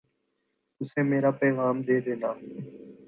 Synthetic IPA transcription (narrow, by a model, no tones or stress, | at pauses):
t̪ʊsẽːmeːɾaːpɛːʋaːmd̪eːd̪ẽːnaː